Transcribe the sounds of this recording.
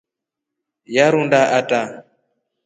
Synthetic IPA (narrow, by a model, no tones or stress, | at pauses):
jaɾundaʔatʼa